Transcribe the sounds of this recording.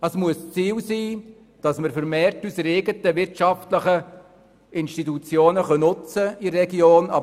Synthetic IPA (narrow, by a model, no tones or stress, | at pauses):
əsmuəst͡siːlsiː | d̥ɑsməɾfəɾmeːrtysɾeːɡətəʋɪɾtʃɑftləχə | ʔɪnʃtitut͡sjoːnəχœnʊt͡səirɛɡjoːnɑ̰